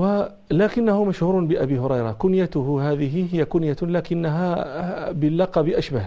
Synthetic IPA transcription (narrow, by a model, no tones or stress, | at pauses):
wa | laːkɪnːahʊmaʃhuːɾnbɪʔabiːɦʊɾˤɑjɾˤɑkʊnjat̪ʊhhaːðɪɦɪɦɪjːakʊnjalaːkɪnːaɦabɪlːɑqɑbɪʔaʃbah